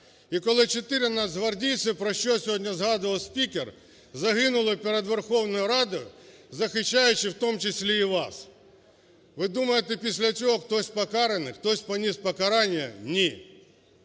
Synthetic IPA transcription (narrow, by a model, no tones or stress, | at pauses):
ikolˠət͡ɕɪt̪ɪɾʲɪnazɦʋɐrdʲijt̪sɨpɾɐɕːosʲɪodʲnʲɐzɣad̪ɨʋɐlˠsʲpʲikʲɪr | zɐɣɨnʊlˠəpʲɪɾʲed̪ʋʲɪrxovnʊjʊɾad̪ʊʊzɐxɪɕːæjʉt͡ɕːɪft̪omt͡ɕɪsʲlʲeiʋas | vɨd̪uməjɪt̪ɪpʲɪsʲlʲɐtʲokt̪osʲpɐkaɾɨnɨxt̪osʲpɐnʲispɐkɐɾanʲɪjɐ̰nʲi